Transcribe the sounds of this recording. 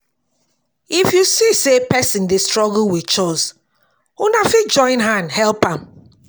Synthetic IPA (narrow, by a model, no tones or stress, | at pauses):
ifjusisepɛsĩndestɹɔɡl̩wit͡ʃɔs | unafid͡ʒɔ̃ɪ̃nɦãndhɛlpãm